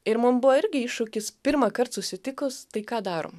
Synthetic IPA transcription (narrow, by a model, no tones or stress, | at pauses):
ɪɾmʊmbʊʋɔɪɾʲɡʲɪɪʃʊkʲɪspʲɪɾmɑkɐrt̪sʊsʲɪt̪ʲɪkʊst̪ɐɪkɑːd̪ɑːɾo̰m